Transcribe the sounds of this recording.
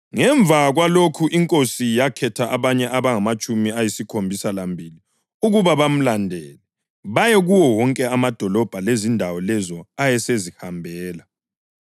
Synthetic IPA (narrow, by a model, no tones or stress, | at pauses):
ŋɛɱvʱaɣwalokʰuʔiŋkʼosijakʰɛtʰaʔaβaɲɛʔaβaŋamat͡ʃʼumiajisikʰombʱisalambʱili | uɣuβaβam̩landʱɛːlɛ | βajɛɣuwɔwɔŋkʼɛamad̥ʱɔlɔb̥ʱalezindʱawɔlɛzɔajɛsezihambʱɛːla